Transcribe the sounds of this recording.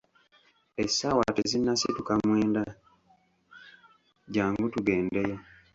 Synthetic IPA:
esawatezinːasitukamwe̞ːnda | ɟaːŋɡutuɡeːndeje

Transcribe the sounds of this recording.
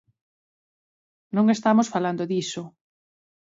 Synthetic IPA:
nõŋest̪amosfaland̪oðiso

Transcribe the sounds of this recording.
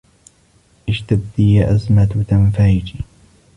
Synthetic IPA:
ʔɪʃt̪ab̚d̪ijaʔazmat̪t̪amfajd͡ʒi

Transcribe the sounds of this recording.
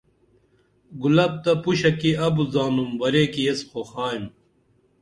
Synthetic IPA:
ɡulɐb̚t̪ɐpuɕɐkiɐbuzaːnumbɐɾeːkiesxoxaːim

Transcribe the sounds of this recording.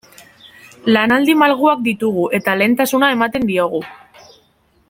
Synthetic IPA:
lanald̪imalɣ̞uak̚d̪it̪uɣ̞uʔe̞t̪ale̞nt̪asunae̞mat̪e̞nd̪io̞ɣ̞u

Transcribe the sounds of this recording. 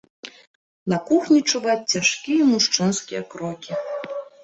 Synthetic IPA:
nakuxnʲit͡ʂuvat̚ʲt͡sʲaʂkʲijɛmuʂt͡ʂɨnskʲijɛ̰kɾɔkʲi

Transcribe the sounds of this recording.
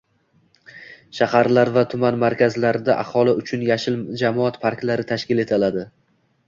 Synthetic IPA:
ʃahaɾlaɾvat̪ʰʊmanmaɾkʲʰazlaɾɪd̪aʔa̰hɒlˠɪʊt͡ʃʰʊnjaʃɪld͡ʒamɒat̪pʰaɾkʲlaɾɪt̪ʰaʃkʲɪle̞t̪ʰalad̪ɪ

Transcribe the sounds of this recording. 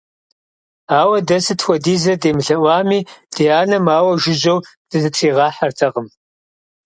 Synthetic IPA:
aːwɐdɐsɨtʰxʷɔdiːzɐdeːmɨɬɐʔʷɑːmiːd̥eːaːnɐmaːwɐʒɪʑɐw | d̥ɨzɨtʰiːʁɑːħɐrtʰɐʁəm

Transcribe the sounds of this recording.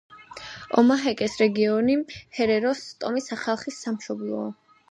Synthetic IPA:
ɔ̰maɦɛkʼɛsɾɛɡiɔnihɛɾɛɾɔst̪ʼɔmisaχalˠχisːamʃɔblˠɔː

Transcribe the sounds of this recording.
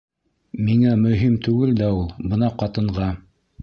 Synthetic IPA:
miŋæmɵ̆ɦimt̪ʉɡɘld̪æulˠbɤnɑqɑt̪ɤ̆ɴʁɑ

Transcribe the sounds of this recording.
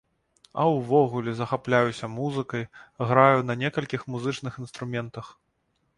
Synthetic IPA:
ɐ̰wvɔɣulʲɛzɐxaplʲajusʲɐmuzɨkɐjɣɾajunɐnʲɛkɐlʲkʲixmuzɨt͡ʂnɨxin̪st̪ɾumʲɛnt̪ɐx

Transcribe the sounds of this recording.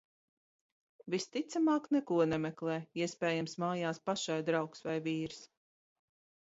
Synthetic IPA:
vist̪it̪samaːknɛkuɔnɛmɛklˠɛːiɛspɛːjamsmaːjaːspaʃajd̪ɾawksvajviːɾs

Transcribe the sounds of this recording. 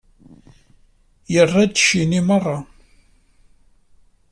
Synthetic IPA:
jərˤːɑd̪ʃinimərˤːɑ

